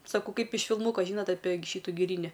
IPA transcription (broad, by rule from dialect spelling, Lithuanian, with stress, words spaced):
sɐˈkɐʊ ˈkɐɪp ɪʃ fʲɪlˠˈmuːkoː ʒʲiːˈnoːt ɐpʲeː ˈʃʲiːtʊ ɡʲɪˈrʲiːnʲɪ